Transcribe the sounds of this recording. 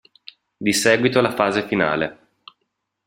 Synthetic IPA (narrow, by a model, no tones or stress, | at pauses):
d̪isɛːɡwit̪olafaːzefina̰ːlḛ